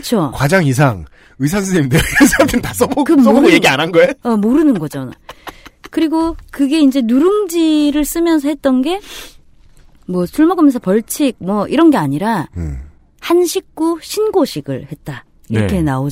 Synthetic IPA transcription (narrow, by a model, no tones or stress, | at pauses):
kɯt͡ɕʰokwad͡ʑaŋis̬ʰaŋ | ɯsʰansʰɯeimdɯɾɯsʰapʰintas͈ʌbokɯjeɡianɦanɡʌejʌmoɾɯnɯnɡʌd͡ʑona | kɯɾiɡokɯɡe̞ind͡ʑe̞nuɾɯmd͡ʑiɾɯɭs͈ɯmjʌnsʰʌhet̚t͈ʌnɡe̞ | mwʌsʰuɭmaɡɯmʌnsʰʌpʌɭt͡ɕʰik̚mwʌiɾʌnɡe̞aɲiɾa | hanɕʰik̚k͈uɕʰinɡoɕʰiɡɯ̰ɭhe̞t̚t͈a | iɾʌkʰe̞naod͡ʑ